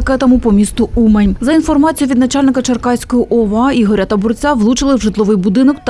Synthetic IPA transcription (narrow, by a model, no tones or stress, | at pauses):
kɛt̪ɐmʊpɔmʲist̪ʊumɛnʲzɐinfɔrmɑt͡sʲijʊʋʲid̪nɐt͡ʃɑlʲnɪkɐt͡ʃɐrkɑjsʲkɔjiʔɔʋɑiɦɔɾʲat̪ɐbʊrt͡sʲaʋlˠut͡ʃɪlˠɪwʒɪt̪lˠɔʋɪjbʊd̪ɪnɔkt̪